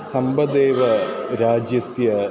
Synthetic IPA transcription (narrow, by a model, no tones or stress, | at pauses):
sɐmbɐd̪eːʋɐɾaːd͡ʑjɐsjɐ